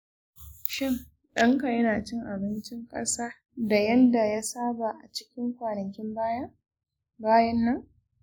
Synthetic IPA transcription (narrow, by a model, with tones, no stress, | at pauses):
ʃɪ˦ŋ | ɗɐ˦ŋka˨jɐ˦naː˨t͡ʃɪ˦ŋʔa˨bɪ˦nt͡ʃɪ˦ŋkʼɐ̰˦saː˦ | da˨jɐ˦nda˨ja˦saː˦ba˨ʔa˨t͡ʃɪ̥˦kʲɪ˦ŋkʷaː˨nɐ˨kʲɪ˦mbaː˦jɐ˦ | baː˦jɐ˦nːɐ˦ŋ